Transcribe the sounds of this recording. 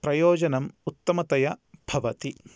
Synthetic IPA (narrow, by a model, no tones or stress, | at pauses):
pɾɐjoːd͡ʒɐnɐmut̪ːɐmɐt̪ɐjɐbʱɐʋɐt̪i